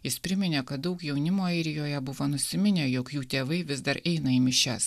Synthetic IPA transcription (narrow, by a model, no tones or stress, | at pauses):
jɪspʲɾʲɪmʲɪnʲeːkɐt̪̚d̪ɐʊkjɛʊnʲɪmoːɐɪɾʲɪjoːjɛbʊʋoːnʊsʲɪmʲɪnʲeːjoːkjuːt̪ʲeːʋɐɪʋʲɪzd̪ɐɾɛɪnɐiːmʲɪʃʲæs